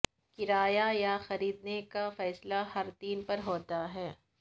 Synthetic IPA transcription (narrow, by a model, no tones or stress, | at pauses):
kɪɾaːjajaxɐɾiːd̪nekafɛːslahɐɾt̪iːnpɐɾɦoːt̪aɦɛː